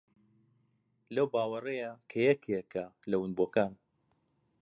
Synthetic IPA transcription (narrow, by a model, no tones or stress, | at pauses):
lɐwbaːwɐrɐjakʰɐjɛkʰjekʰalɐwɨnbokaːn